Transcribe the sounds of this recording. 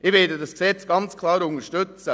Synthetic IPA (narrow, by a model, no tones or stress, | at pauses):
ʔɪvɪdədɑsksɛt͡sɡ̥ɑnt͡skʰlɑːɾʊŋəʃtʏt͡sə